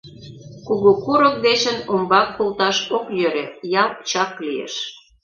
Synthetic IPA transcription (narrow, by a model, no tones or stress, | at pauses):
kuɣokuɾə̆k̚d̪eʃə̆nombɑkːolt̪ɑʃokjøɾejɑlt͡ɕɑkliḛʃ